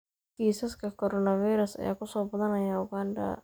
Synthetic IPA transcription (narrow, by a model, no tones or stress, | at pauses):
kiːsɐskʰɐkʰɔɾɔnɐfijɾɐsɐ̰jaːkʰʊsɔːbɐðɐnɐjaʊɡaːnd̪ɐ̰